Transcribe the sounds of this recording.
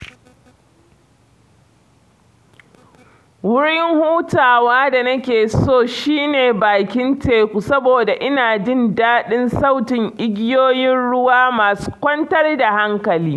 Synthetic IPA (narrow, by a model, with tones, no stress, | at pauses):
wʊ˦ɽɪ˦ŋhuː˦taː˨waː˦da˨nɐ˦kʲeː˨soː˦˨ʃiː˦neː˨baː˨kʲɪ˦nteː˨kʷu˨sɐ˦boː˨da˨ʔɪ˦naː˨d͡ʒɪ˦ndaː˦ɗɪ˦nsa˦˨wtɪ˨ŋʔɪ˦ɡʲɪ˦joː˦jɪ˦nɽʊ˦waː˦maː˨su̥˦kʷɔ˦ntɐ˦rda˨ha˦ŋkɐ˨liː˦